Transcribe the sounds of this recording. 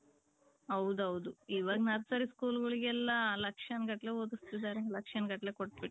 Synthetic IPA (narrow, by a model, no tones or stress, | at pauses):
ɐwd̪ɐwud̪uiːʋaːɡnɐɾsɐɾiskuːluɡɐɭiɡɛlːɐlɐkʂanɡɐʈleːoːd̪ust̪id̪ːaːɾenɡ̪lɐkʂanɡɐʈleːkoʈ̚ːbiʈː